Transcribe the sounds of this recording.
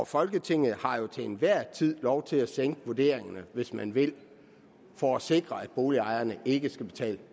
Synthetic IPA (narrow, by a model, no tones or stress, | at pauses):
ɒfɒ̽lɡ̥ət͡sʰe̝ŋ̰ð̩ˠhɑ̈jo̝t͡sʰe̝enʋæɐ̰t͡sʰið̞̰ˠlɒʊt͡sʰe̝læseŋ̰ɡ̥əʋuɐd̥e̝̰ːɐ̰eŋɐnəʋe̝smænʋe̝l | fɒæse̝ɡ̥ʁɐæd̥b̥o̝ːliɑ̈ɪɐnəe̝ɡ̥əsɡ̥æb̥e̝t͡sʰɛ̰ːlə